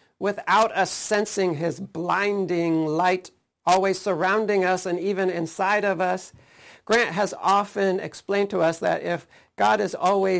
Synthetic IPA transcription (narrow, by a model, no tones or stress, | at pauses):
wɪθaʊɾʌsɛ̃nsɪ̃ŋɪzblãɪ̃ndɪ̃ŋlaɪɾ | ɔlˠwiz̥sə˞ãʊ̃ndɪ̃ŋʌsɨ̃nivɨ̃nɪ̃nsaɪɾʌvʌs | ɡ̥ɹæ̃nʔɦɨzɑfɨ̃nɨ̰ksplẽɪ̃ntʰəʌsðɨ̰ɾʔɪf | ɡ̥ɑɾɨzɔlˠwi